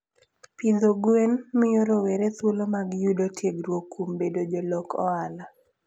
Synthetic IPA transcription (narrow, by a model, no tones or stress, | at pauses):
pid̪oɡwenmɪjoɾowɛɾet̪wolomaɡjudotjeɡɾwokʰːumbedod͡ʒɔlɔkɔ̰ala